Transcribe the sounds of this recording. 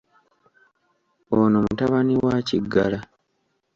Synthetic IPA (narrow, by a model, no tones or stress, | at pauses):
onomutaβaniwaːciɡːala